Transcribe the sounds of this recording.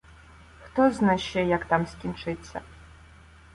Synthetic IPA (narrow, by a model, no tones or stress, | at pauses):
xt̪ɔznaʃɛjɐkt̪amsʲkʲint͡ʂɨt͡sʲːɐ̰